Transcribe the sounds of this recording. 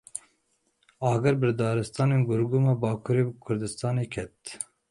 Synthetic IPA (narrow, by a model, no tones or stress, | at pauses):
ɑːɡɛɾbɨɾd̪ɑːɾɨst̪ɑːneːnɡʊɾɡuːmɑːbɑːkʰuːɾeːkʰʊɾd̪ɨst̪ɑːneːkʰɛt̪